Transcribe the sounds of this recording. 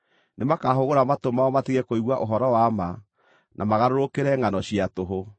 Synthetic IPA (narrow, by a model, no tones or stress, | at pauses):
nʔemakaɦoɣoɾamatomaɔmatiɣɛkoiɣwaʔoɦɔɾɔwama | nʔamaɣaɾoɾokeɾɛŋanɔɕiatoɦo